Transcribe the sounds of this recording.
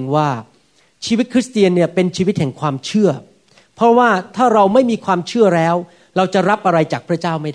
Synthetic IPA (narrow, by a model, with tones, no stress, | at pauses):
ŋwaː˥˩ | t͡ɕʰiː˧wi˦˥t̪̚kʰɾi˦˥st̪i˧ənːi˥˩ɐpe˧nt͡ɕʰiː˧wi˦˥t̪̚hɛ˨˩˦ŋkʰwaː˧mt͡ɕʰɯ˥˩ɐ | pʰɾɔ˦˥waː˥˩t̪ʰaː˥˩ɾa˧wma˥˩jmiː˧kʰwaː˧mt͡ɕʰɯ˥˩ɐɾɛː˦˥w | ɾa˧wt͡ɕa˨˩ɾa˦˥p̚ʔa˧ɾa˧jt͡ɕaː˨˩k̚pʰɾa˦˥t͡ɕaː˥˩wma˥˩jda